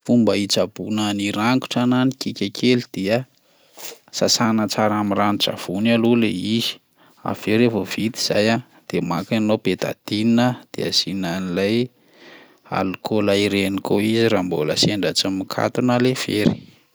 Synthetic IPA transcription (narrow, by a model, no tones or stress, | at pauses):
fumbəit͡sabunaniɾaŋku̥ʈ͡ʂananikikʲakʰelid̪̥eə | sasanət͡saɾamiranit͡ʃa̰v̥unaluleizi̥ | a̰v̥eɾefovit̪i̥z̥a̰ja | d̪̥emakanopet̪a̰d̪̥ininəd̪̥ḛa̰z̥inanilaj | a̰lukʰolaiɾenikʰoiziɾamboləseɳɖ͡ʐat͡samikʰa̰t̪unalev̥eɾi̥̰